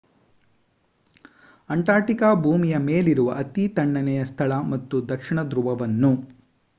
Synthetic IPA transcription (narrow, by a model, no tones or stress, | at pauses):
ɐɳʈaːɾʈikaːbʱuːmijɐmeːliɾuʋɐ̰ʔɐt̪it̪ɐɳɖɐnɛjɐst̪ʰɐɭɐmɐt̪ːud̪ɐkʂiɳɐd̪ɾuʋɐʋɐnːu